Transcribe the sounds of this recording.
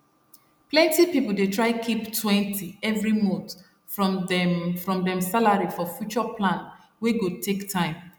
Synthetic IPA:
plɛ̃ntipipul̩detʰɹaɪkʰiptʰwɛ̃ntʰiɛvɹimõt | fɹ | fɹɔ̃mdɛ̃msalaɹifɔfjut͡ʃɔplãn | weɡotʰektʰãɪ̃m

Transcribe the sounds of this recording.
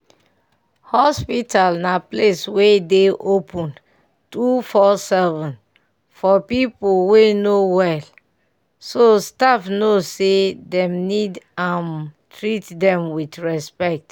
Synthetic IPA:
hɔspitalnapleswedeʔopʰɔ̃n | tufɔsɛvɔ̃n | fɔpipolwenowɛl | sostafnosedɛ̃mnidãntɹitdɛ̃mwidɹɛspɛk̚t

